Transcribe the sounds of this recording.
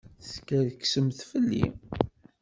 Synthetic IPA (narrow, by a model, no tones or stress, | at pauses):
skæðksəmθfəlːḭ